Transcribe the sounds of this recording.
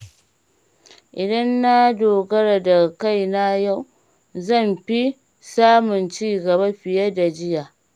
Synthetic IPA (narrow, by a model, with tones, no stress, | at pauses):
ʔɪ˨dɐ˦nːa˦doː˨ɡɐ˦ɽa˨da˨ka˦˨jna˦ja˦˨w | zɐ˦˨mɸi˦ | saː˦mʊ˨nt͡ʃiː˦ɡɐ˨ba˦ɸɪ˨ja˦da˨d͡ʒɪ˦jaː˨